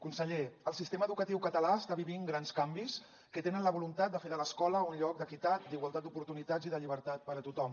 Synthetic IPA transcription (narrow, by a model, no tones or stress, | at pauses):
kunsəʎeəlˠsist̪eməːðukət̪iwkət̪əlaəst̪aβiβiŋɡɾanskambis | kət̪enənləβulunt̪at̪̚d̪əfeðələskɔləunʎɔk̚d̪əkit̪at̪̚d̪iɣwalˠt̪at̪d̪upuɾt̪unit̪ad͡ziðəʎiβ̞əɾt̪at̪̚pəɾət̪ut̪ɔm